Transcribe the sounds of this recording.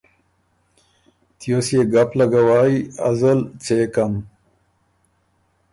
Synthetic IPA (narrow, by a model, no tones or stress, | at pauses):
t̪josjeɡaplɐɡawaːiɐ̰zəlt͡ɕekɐm